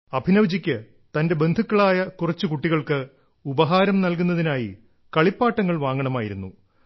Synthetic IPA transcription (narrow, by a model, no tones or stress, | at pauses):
ɐbʱinɐʋd͡ʑikʲːɨ | t̪ɐnde̞be̞nd̪ʱukːɐɭaːjɐkurɐt͡ɕːukuʈːiɣɐɭkɨ | ubɐɦaːɾɐmnɐlkunːɐðinaːji | kɐɭipːaːʈːɐŋːɐɭʋaːŋɡɐɳɐmaːjḭɾunːu